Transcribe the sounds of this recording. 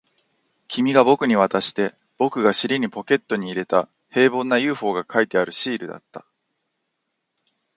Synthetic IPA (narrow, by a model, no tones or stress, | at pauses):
kʲʰimʲiɡabo̞kɯ̟ɲ̟iβ̞at̪aɕi̥t̪e̞ | b̥o̞kɯ̟ɡaɕiɾʲiɲ̟ipo̞ke̞t̪ːo̞ɲ̟iːɾe̞t̪a | he̞ːbõ̞nːajɯ̟ːɸo̞ːɡakʰait̪e̞aɾɯ̟ɕiːɾɯ̟d̪a̰t̪ːḁ